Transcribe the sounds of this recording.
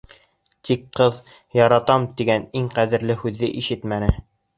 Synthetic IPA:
t̪ikqːɤð | jɑɾɑt̪ɑmt̪iɡæniŋqæðɘ̆ɾlɘhʉðːɘʔiʃɘt̪mænɘ

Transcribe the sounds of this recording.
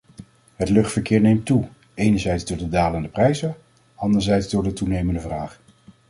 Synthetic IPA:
ɦətlɵχtfəɹkɪːɹnejmtu | ejnəɹzɛjtzdʊːɹdədaːləndəprɛjzə | ɑndəɹzɛjtzdʊːɹdətunejməndəvraːχ

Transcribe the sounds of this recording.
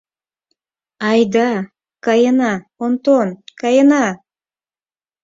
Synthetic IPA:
ɑjd̪ɑ | kɑjənɑ | ont̪onkɑjənɑ

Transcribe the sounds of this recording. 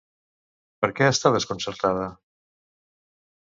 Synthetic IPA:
pəɾkɛast̪aðəskonsəɾt̪að̞ə

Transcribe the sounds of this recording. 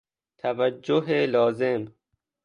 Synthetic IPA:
t̪ʰavad͡ʒːoɦelɔːzem

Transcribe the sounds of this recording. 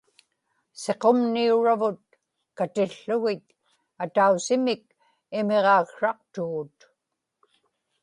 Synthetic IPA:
seqo̞mniuɻavʊt̪̚ | kat̪ɪɬːʊɣɪt̪̚ | at̪ausɪmɪk̚ | ɪme̞ʁɑːɣʂɑq̚t̪uːt̪

